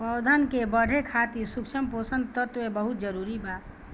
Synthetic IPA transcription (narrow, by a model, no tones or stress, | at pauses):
pəwd̪ʱaːnkebəɽʱekʰaːt̪isʊkʃəmpoːsə̃nd̪̚t̪ət̪webəɦʊt̪d͡ʒəɾuːɾibaːt̪